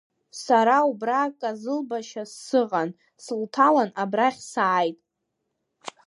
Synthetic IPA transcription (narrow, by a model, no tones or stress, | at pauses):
saɾaubrakʼazɨlbaʃasːɨʁan | sɨltʰalanabraχʲsaːjtʼ